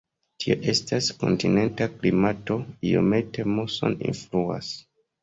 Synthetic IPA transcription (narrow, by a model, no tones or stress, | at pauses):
tʰio̰ʔe̞stasko̞̰ntine̞ntaklimato̞io̞̰me̞te̞moso̞nḭnflua̰s